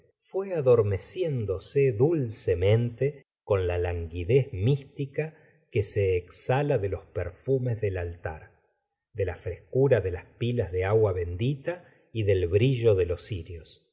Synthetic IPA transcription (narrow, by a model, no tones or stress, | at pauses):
fweaðo̞ɾme̞sjend̪o̞seðulsemẽ̞nt̪e | ko̞nlalaŋɡiðezmist̪ika | keseːksalaðelo̞speɾfumezðelalt̪a̰ɾ | d̪elafɾe̞skuɾaðelaspilazðeaɣwaβe̞nd̪it̪a | iðe̞lβɾiʒo̞ðelo̞siɾjos